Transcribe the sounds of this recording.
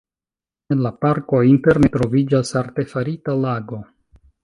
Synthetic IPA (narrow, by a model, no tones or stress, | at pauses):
enlapaɾko̞inte̞ɾnetɾo̞vid͡ʒasaɾte̞faɾitalaɡo̞